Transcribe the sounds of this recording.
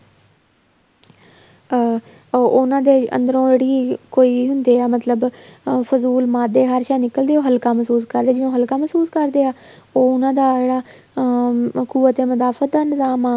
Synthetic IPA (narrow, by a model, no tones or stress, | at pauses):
ʊnãːd̪eːʔə̰̃nd̪əɾõːd͡ʒeːɽiːkoːiːɦʊnd̪eːaːmət̪ləbfʊzuːlmaːd̪eːɦəɾʃaːnɪkəld̪eːoːɦəlkãːməsuːskəɾd̪eːd͡ʒɪnõːɦəlkaːməsuːskəɾd̪eːaː | oːʊnãːd̪aːd͡ʒeːɽaː | kuːət̪eːməzaːfət̪̚d̪aːnɪzaːmaː